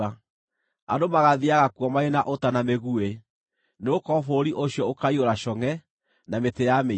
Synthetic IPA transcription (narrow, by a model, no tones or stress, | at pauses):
a | a̰domaɣaðiaɣakuɔmaenaʔotanameɣue | neokɔfoɾiʔoɕjɔokaioɾaʃɔŋɛ | nametejame